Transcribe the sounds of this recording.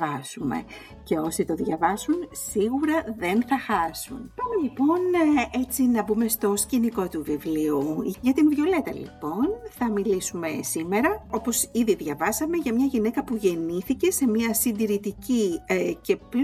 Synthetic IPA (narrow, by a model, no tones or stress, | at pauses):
ɐsume̞̰ | ce̞o̞sit̪o̞ðʝɐvɐsunsiɣuɾɐðe̞nθɐxɐsunpɐmelipo̞ne̞t͡sinɐbume̞st̪o̞sciniko̞t̪uvivliuʝɐt̪imvʝo̞le̞t̪ɐ̰lḭpo̞nθɐmilisume̞sime̞ɾɐo̞po̞siðiðʝɐvɐsɐme̞ʝɐmɲɐʝine̞kɐpuʝe̞niθice̞se̞miɐsind̪iɾit̪icice̞p